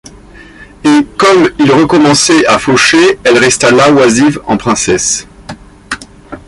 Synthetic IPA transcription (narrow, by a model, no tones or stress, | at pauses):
ekɔmilʁəkɔmɑ̃sɛʔafoʃeɛlʁɛst̪alawazivɑ̃pχɛ̃sɛs